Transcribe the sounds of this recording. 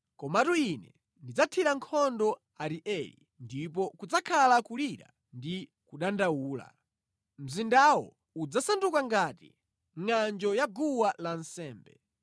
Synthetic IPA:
kɔmatuinɛ | ndid͡zatʰiɾaŋkʰɔndɔ | aɾiʔɛlḭ | ndip̬ɔkud͡zakʰalakuliɾa̰ | ndi | kuɗandawuːla̰ | m̩zindawɔ̰ | ud͡zasandukaŋɡatḭ | ŋand͡ʒɔjaɡuwalan̩sɛːmbɛ

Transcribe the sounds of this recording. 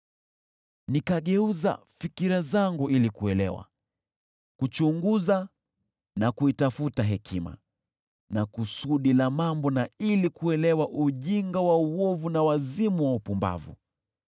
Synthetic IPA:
nikaɠɛuza̰ | fikiɾazaŋɡuilikuɛlɛ̰wa̰ | kut͡ʃuŋɡuza | nakuitafutaɦɛkʰima̰ | nakusuɗilamambɔnailikuɛlɛwaʔuʄiŋɡawauwɔvunawazimuwaupumba̰vṵ

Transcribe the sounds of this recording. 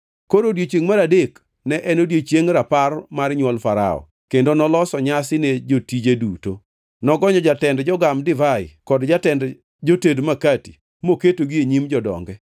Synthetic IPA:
koɾodjet͡ʃeŋmaɾadek | nɛʔɛnodjet͡ʃjeŋɾaparmarɲwɔlfaɾa̰ɔ̰ | kendonɔlɔsɔɲasɪned͡ʒotid͡ʒeduto | nɔɡɔɲɔd͡ʒatɛndd͡ʒɔɡamdɪvaɪ̰kɔdd͡ʒatɛnd | d͡ʒotedmakati̥ | moketoɡieɲimd͡ʒɔdɔ̰ŋɡɛ

